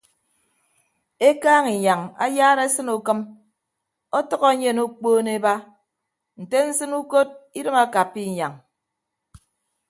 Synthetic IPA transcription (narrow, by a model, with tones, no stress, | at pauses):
e˦kaː˦ŋi˨ɲa˨ŋa̰˦jaː˦ɾe˦sɨ˦nu˨kɨ˦m | ɔ˦tɔ˦ɣɔ˦ɲe˦˨nu˦k͡poː˦ne˦ba˦ | n̩˨te˦n̩˦sɨ˦nu˦ko˦t̚i˦ɾɨ˦ma˦ka˨pːi˦˨ɲa˨ŋ